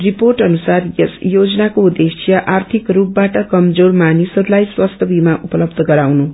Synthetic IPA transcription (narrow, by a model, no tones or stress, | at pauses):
riporʈʌnusarjesjod͡zʌnakoud̪esijʌʔart̪ʰikrupbaʈʌkʌmd͡zormanisʌɾulajswast̪ʰʌbʱimaʔupʌlʌbd̪ʱʌɡʌɾawnu